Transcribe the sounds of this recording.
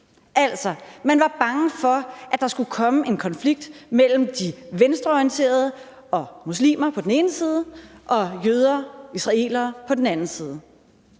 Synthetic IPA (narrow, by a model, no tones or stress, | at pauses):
ʔæl̰sɒmænʋɑ̈b̥ɑ̈ŋəfɒ̽ʔæd̥ɑ̈sɡ̥ukʰɒ̽məe̝nkʰɒ̽nfliɡ̥̚d̥mel̰m̩d̥iʋensd̥ʁɐɒijnt͡sʰe̝̰ːɐð̞ˠə | ɒ̽muslḭːmɐpʰɒ̽d̥en̩e̝ːnəsiːð̞ˠəʔɒ̽jøð̞ˠɐːisʁɑ̈e̝̰ːlɐːpʰɒ̽d̥enænn̩siːð̞ˠə